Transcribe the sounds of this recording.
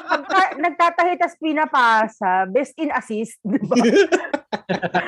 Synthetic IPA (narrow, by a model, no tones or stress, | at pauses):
pɐɡ̚t̪anɐɡ̚t̪aːt̪ɐhɪt̪ɐspinɐpasɐbɛst̪ɪnɐsist̪̚d̪ɪba